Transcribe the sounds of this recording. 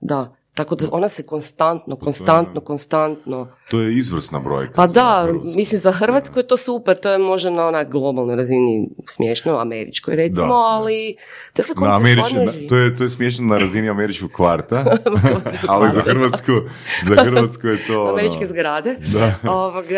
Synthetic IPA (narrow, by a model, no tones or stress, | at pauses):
d̪a | t̪akod̪aʔo̞nasekonst̪ant̪nokonst̪ant̪noko̞nst̪ant̪no̞t̪ojeizʋr̩sna̰bɾo̰jkapad̪amislimzaxr̩ʋat̪skujet̪o̞ːsupeɾt̪ojemo̞ʒd̪anaonaɡlˠo̞balˠnojɾazinismjeʃnoa̰meɾḭt͡ʃkojɾet̪imo̞ali | t̪eslekknoameɾianʒt̪ojet̪ojesmjeʃ̬nonaɾaziniameɾit͡ʃkoɡkʋaɾt̪a | alizaxr̩ʋat̪skuzaxɾat̪skujet̪oameɾit͡ʃkezɡɾaːd̪ed̪aoʋoɡ